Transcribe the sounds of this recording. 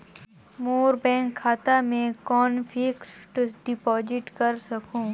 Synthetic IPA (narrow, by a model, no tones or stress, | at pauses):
moːɾbɛ̃ːŋkʰːaːt̪amẽkɔːnfʰɪksʈɖɪpɔːd͡ʒɪʈkɐɾsɐkũː